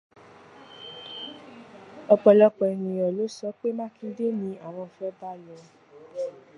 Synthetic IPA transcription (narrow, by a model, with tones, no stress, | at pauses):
ɔ˧k͡pɔ˧lɔ˧k͡pɛ˧nĩ˨ɔ˨lo˨˦sɔ˨˦k͡pe˦mã˦kĩ˧de˦nĩ˧a˨w̃ɔ̃˧˨fɛ˨˦ba˦lɔ˨˦